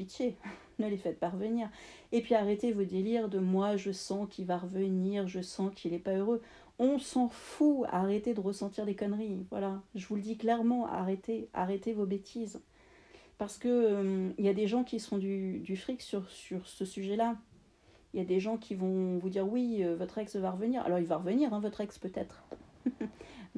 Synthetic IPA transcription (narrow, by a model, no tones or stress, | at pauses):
pit̪je | nəlefɛt̪̚paʁəvəniʁ | epɥiaʁet̪evod̪eliʁd̪əmwaʒəsɑ̃kʰilvaʁəvəniʁʒəsɑ̃kʲʰilɛpaøʁø | ɔ̃sɑ̃fua̰ʁet̪ed̪əʁəsɑ̃t̪iʁd̪ekɔnʁivwa̰laʒəvuləd̪iklɛʁmɑ̃a̰ʁet̪ea̰ʁet̪evobet̪ʰiz | paʁsə̥kəmiljad̪eʒɑ̃kʲisəfɔ̃d̪yd̪yfχiksyʁsyʁsəsyʒɛla | iljad̪eʒɑ̃kʲʰivɔ̃vud̪iʁwiøvɔt̪χɛksvaʁəvəniʁa̰lɔʁilvaʁəvəniʁɛ̃vɔt̪χɛkspøt̪ɛt̪χ